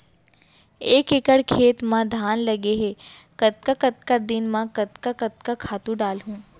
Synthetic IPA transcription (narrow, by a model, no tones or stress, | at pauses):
eːkɪkəɽkʰeːt̪mãd̪ʱaːnlɐɡeɦekɐt̪̚kakɐt̪kad̪ɪnmãkɐt̪kakɐt̪̚kakʰaːt̪ũɖaːlɦũː